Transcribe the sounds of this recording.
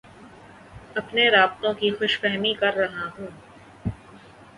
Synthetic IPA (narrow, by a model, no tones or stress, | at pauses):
ɐpneɾaːb̚t̪õkixʊʃfɛɦmikɐɾːɐɦaɦũː